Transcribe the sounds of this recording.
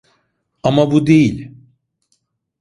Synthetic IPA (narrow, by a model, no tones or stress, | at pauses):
amabud̪e̞jilʲ